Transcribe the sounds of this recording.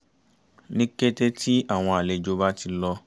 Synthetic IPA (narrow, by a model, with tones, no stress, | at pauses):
nĩ˦ke˦te˦ti˦a˦˨w̃ɔ̃˧a˨le˨d͡ʒo˧˦ba˦ti˧lɔ˧